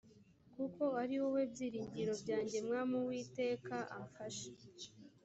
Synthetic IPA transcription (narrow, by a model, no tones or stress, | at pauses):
kuko̞aɾiwo̞we̞bɟiːɾiːɲɟiɾo̞bɟaːɲɟe̞mŋaːmuwiːte̞ːkaʔaɱfaʃe̥